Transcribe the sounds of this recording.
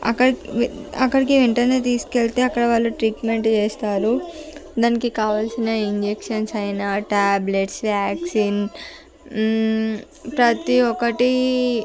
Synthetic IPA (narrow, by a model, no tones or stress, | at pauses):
ɐ̰kːɐɽɐkːɐɽikiʋeɳʈɐneːt̪iːskeɭt̪e̞ːɐkːɐɽɐʋaːlːuʈɾiːʈme̞ɳʈt͡ʃeːst̪aːɾud̪aːnikikaːʋaːlsinɐiɲd͡ʒekʂɐnsɐjnaːʈaːbleʈsʋjaːksiːn | pɾɐt̪iɔkɐʈi